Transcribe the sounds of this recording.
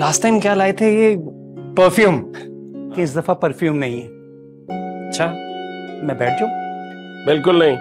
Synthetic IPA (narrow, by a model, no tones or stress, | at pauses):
laːsʈaːɪmkjaːlaːet̪ʰeje | pəɾfjuːmkɪ̃ɪs̬d̪ɐfapɐɾfjuːmnɐɦĩɦɛː | ɐtːʃʰaː | mɛ̃ːbɛːʈ̚ʰd͡ʒaːbɪlkʊlnɐɦĩ